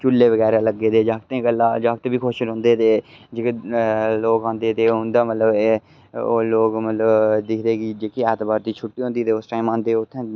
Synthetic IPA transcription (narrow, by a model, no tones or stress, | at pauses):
t͡ʃʊlːeːʋəɡɛːɾaːləɡːeːd̪eːd͡ʒaːk̚t̪ẽkəlaːd͡ʒaːk̚t̪ẽːbiːkʰoːʃəlɦʊ̃nd̪eːt̪eː | d͡ʒeːkeloːkãːnd̪eːt̪eːɦʊnd̪aːmət̪ləbe | oːloːkmət̪ləbd̪ɪkʰd̪eːɡid͡ʒeːkiɛːt̪baːɾd̪iːt͡ʃʰʊʈːiːɦõnd̪iːt̪eːosʈaːimãːnd̪eːʊt̪ʰːẽː